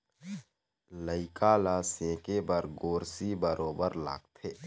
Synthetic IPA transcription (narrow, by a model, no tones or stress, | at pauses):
ləɪkaːlasẽːkebəɾɡoːɾsibəɾʔoːbəɾla̰ːɡt̪ʰeː